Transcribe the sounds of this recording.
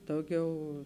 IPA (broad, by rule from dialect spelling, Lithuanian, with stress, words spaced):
ˈdɐʊˌɡʲɛʊ